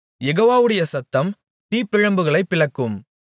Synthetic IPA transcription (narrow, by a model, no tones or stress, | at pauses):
jɛɣoːʋaːʋɯɽɐjɐsɐt̪ːɐm | t̪iːpːɪɻɐmbɯɣɐɭɐɪpːɪɭɐkːɯm